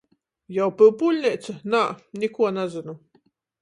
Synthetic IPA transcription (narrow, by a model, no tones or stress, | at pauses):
jawpɨwpulʲnʲɛt̪snanʲikuɔnazɨnu